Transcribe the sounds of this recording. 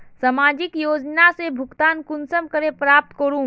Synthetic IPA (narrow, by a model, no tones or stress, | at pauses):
sɐmaːd͡ʒɪkjoːd͡ʒnasebʱʊkt̪aːnkʊnsəmkəɾepɾaːp̚t̪kɐɾũː